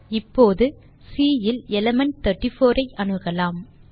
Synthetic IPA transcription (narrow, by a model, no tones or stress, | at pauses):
ɪpːoːðɯ | siːjɪlɛlɐmɐɳʈ̚t̪ɐʈːɪfoːɾɐɪʔɐnɯɣɐlaːm